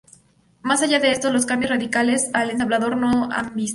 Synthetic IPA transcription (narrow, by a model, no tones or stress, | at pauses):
masaʝaðe̞est̪olo̞skambjozraðikale̞salent̪aβlaðo̞ɾno̞ambis